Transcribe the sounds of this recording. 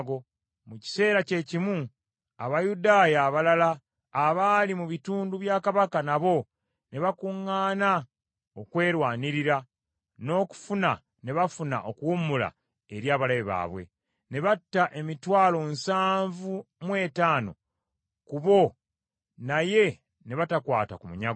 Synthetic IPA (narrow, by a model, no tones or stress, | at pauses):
ɡo̞ | muci̥se̞ːɾace̞cimu | aβajudaːjaːβalalaː | βalimuβituːnduβjaːkaβakanaβo̞ | ne̞βakuŋːaːna | okwe̞ːɾwaːniɾiɾa | no̞ːku̥funa | ne̞βafuna̰ʔo̞kwumula̰ | eɾjaːβalaβeβa̰ːβwe̞̰ | ne̞βatːaʔe̞mitwaːlo̞nsaːɱvumwe̞ːtaːno̞̰ | kuβo̞ | naje̞ | ne̞βatakwaːta̰kumuɲaɡ